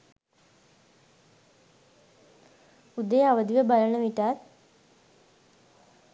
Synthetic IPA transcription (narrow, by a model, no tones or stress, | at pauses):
ud̪əjaʋəd̪iʋəbalənəʋiʈaːt̪